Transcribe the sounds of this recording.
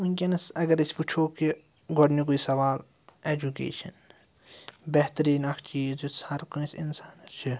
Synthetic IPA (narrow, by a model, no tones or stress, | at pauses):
unkʲɐnɐsɐɡɐɾisput͡ʃʰoːki | ɡoɽnik̬uisɐʋaːl | eːd͡ʒukḛːʃɐn | beɦt̪ɾiːnɐkʰt͡ʃiːzushɐɾkunisinsaːnt͡ʃʰi